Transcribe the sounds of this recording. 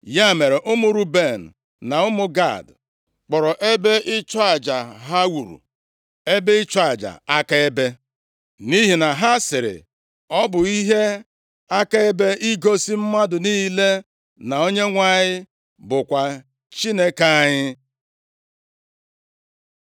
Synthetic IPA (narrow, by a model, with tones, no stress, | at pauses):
ja˦˨me˨ɾe˨ʔʊ˦mu˨ɾu˦be˦˨n̩˨ | na˨ʊ˦mʊ˦ɡa̰˦˨d | k͡pɔ˨ɾɔ˨ʔe˦be˦ʔɪ˦t͡ʃa˨d͡ʒa˨ɦa˦wu˨ɾṵ˨ | e˦be˦ɪ˦t͡ʃa˦˨d͡ʒa̰˨a˦ka˦e˦be˦ | ni˦ɦi˨na˨ɦa˦sɪ˨ɾɪ̰˨ | ɔ˦bʊ˨i˦ɦe˦ | a˦ka˦e˦be˦ʔi˦ɡo˦si˦m̩˦ma˦dʊ˨niː˦le˦ | na˨o˦ɲe˦ŋʷa˦˨ɲɪ˦ | bʊ˨kʷa˨ | t͡ʃi˦ne˦ka˦ɲɪ˦